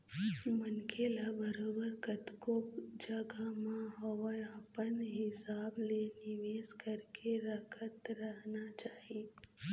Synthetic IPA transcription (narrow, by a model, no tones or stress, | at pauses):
mənkʰelabəɾoːbəɾkət̪kokd͡ʒəɡamãɦəʋəapənɦɪsaːblenɪʋeːskəɾkʰeɾəkʰət̪ɾəɦnat͡ʃaːɦi